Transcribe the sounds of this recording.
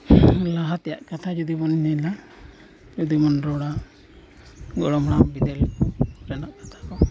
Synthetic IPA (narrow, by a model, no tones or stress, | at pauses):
laɦat̪ɛja̰ʔkat̪ʰad͡ʒɔd̪ibɔnɲɛla | d͡ʒɔd̪imɔnɾɔɽaʔ | ɡɔɽɔmɽ̃ambid̪ɛlpɾɛnaʔkat̪ʰḁkɔ